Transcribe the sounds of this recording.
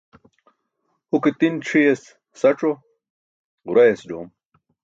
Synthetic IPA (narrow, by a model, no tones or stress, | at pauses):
huket̪inʈ͡ʂʰijes | sɐʈ͡ʂo | uɾɐjesd͡ʑoːm